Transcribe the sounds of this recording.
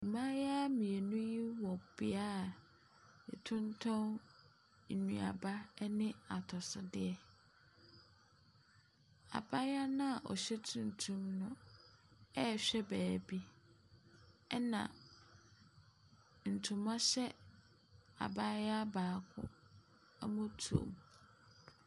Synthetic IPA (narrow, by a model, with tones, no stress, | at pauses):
i˨mã˦ja˦mĩ˨ɛ˨nũ˦ji˦wɔ˨bɪ˨a˦˨ | ɛ̰˨tʰʊ̃˦n˦tʰɔ̃˦n | n̩˨nũ˨a̰˨ba˦nɪ̃˦a˨tʰɔ˨sʊ˦dɪ˦ɛ˦ | a̰˨ba˦ja˦nʊ̃˦a˨ʔɔ̰˨ɕᶣɛ˦tʰũ˨n̩˨tʰũ˦mnʊ̃˦ | ɛ˦˨ɕᶣɛ˦bæː˨bi˦ | ɛ˦nã̰˨ | n̩˨tʰũ˨mã˦ɕɛ˦ | a̰˨ba˦ja˦baː˨˦˨kʰʊ̰̃˦ | ɛ˦mʊ̃˦tʰṵ̃˨m